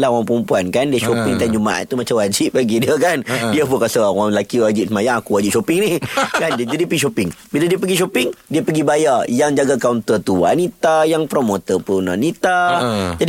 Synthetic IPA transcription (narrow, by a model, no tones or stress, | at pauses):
lahwaŋpəɾumpuankandiəʃopɪŋt̪and͡ʒumaʔa̰t̪̚ːumat͡ʃamwad͡ʒip̚baɡidiəkandiəpukasəawaŋlakiwad͡ʒip̚səmajaŋakuwad͡ʒip̚ʃopɪŋnikandd͡ʒadiəpəɡiʃopɪŋbiladiəpəɡiʃopɪŋdiəpəɡibajajaŋd͡ʒaɡakawnt̪ət̪uwa̰nit̪ajaŋpɾomot̪əpuna̰nit̪ad͡ʒad